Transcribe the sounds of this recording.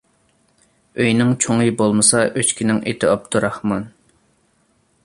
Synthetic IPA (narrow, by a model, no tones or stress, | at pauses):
øjnɪŋt͡ʃʰoŋɨjbolˠmɨsɑʔøt͡ʃkʲʰinɪŋʔet̪ʰɪɑp̚t̪ʰuɾɑχmɑn